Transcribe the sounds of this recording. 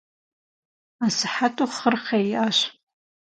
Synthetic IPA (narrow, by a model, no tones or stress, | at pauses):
asɨħatʼuχərχejaʃʷ